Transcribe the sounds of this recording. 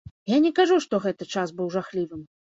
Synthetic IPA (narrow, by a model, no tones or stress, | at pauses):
janʲɛkaʐuʂt̪ɔɣɛt̪ɐt͡ʂasbɨwʐaxlʲivɨm